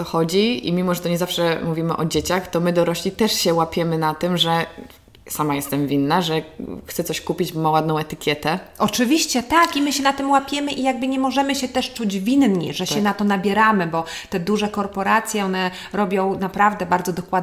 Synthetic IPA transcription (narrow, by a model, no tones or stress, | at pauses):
t̪ɔxɔd͡ʑiḭmʲimɔʐɛt̪ɔɲɛzafʂɛmuvʲimɘ̰ʔɔd͡ʑet͡ɕaxt̪ɔmɘd̪ɔɾɔɕlʲit̪ɛʂɕɛwapʲjɛmɘnat̪ɘmʐɛ | samajɛst̪ɛmvʲinːaʐɛxt̪sɛt̪sɔɕkupʲid͡ʑbɔmawad̪nɔ̃w̃ɛt̪ɘkʲjɛt̪ɛɔt͡ʂɘvʲiɕt͡ɕɛt̪akimɘɕɛnat̪ɘmwapʲjɛmɘʔijaɡ̚bɘɲɛmɔʐɛmɘɕɛt̪ɛʂt͡ʂud͡ʑvʲinɲɛ̰ʐɛɕɛnat̪ɔnabʲjɛɾamɘbɔt̪ɛd̪uʐɛkɔɾpɔɾat̪sʲjɛɔnɛ | ɾɔbʲjɔ̃w̃napɾavd̪ɛbaɾd̪zɔd̪ɔkwad̪